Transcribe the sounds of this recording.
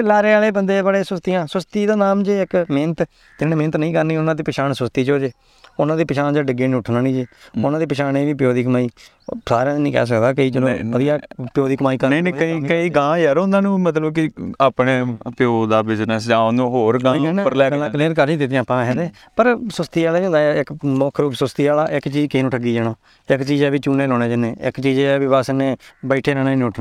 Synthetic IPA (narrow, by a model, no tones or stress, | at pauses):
laːɾeːaːleːbənd̪eːbəɽeːsʊst̪ijãːsʊst̪iːd̪aːnaːmd͡ʒeːɪkment̪ | t̪ɪnẽːmɪ̃ːnət̪nəĩːkəɾniːʊnãːd̪iːpɪʃaːnsʊst̪iːt͡ʃoːd͡ʒeː | ʊnãːd̪iːpɪʃʰaːnd͡ʒaːɖɪɡeːnĩːʊʈʰnaːnĩːd͡ʒeːʊnãːd̪iːpɪʃʰaːneːʋiːpjoːd̪iːk̬əmaːiː | saːɾãːnĩːkɛ̰ːs̬əkd̪aːkəiːd͡ʒəlõːʋəd̪ijaːpɪjoːd̪iːkəmaːiːkəɾninẽəikəiːɡãːd͡ʒɛɾõnd̪aːnũːmət̪ləbkɪaːpneːpjoːd̪aːbɪznəsd͡ʒaːõnõːɦoːɾɡãːɛnãəɾlɛːknãːkleːɾkəɾd͡ʒĩːd̪ɪt̪̬ɪjãːpãːɦɛːd̪eː | pəɾsʊst̪iːaːlaːĩːnd̪aːɪkmɔːkʰɾuːpsʊst̪iːaːlaːʔɪkt͡ʃiːd͡ʒkɪiːnũːʈʰəɡiːd͡ʒɛːnaː | ɪkt͡ʃiːd͡ʒɛːbiːt͡ʃuːneːlɔːneːd͡ʒəneːɪ̰kt͡ʃiːd͡ʒɛːʋiːʋasnẽːbəɪʈʰeːɾaːneːnʊʈʰnã